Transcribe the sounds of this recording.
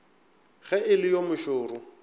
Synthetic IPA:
ɣ̥ɛɪlɪjomʊʃʊːrʊ

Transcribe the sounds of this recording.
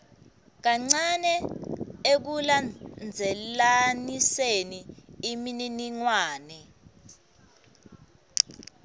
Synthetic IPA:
k̬aŋ͡ǀanɛ | ek̬uland͡zʱɛlaniseniimininiŋwaːnɛ

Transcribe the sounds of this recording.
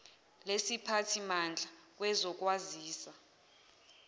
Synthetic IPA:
lesipʰatʰimand͡ɮʱak̬ʼwɛzɔk̬ʼwaziːsa

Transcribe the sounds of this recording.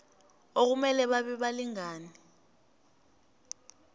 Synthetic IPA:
ok̬umɛlɛɓaɓɛɓaliŋaːni

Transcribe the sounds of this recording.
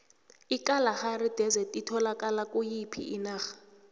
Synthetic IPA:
ikʼalaxarid̥ʱɛzɛtʼitʰɔlakʼalakʼujipʰḭʔinaːxḁ

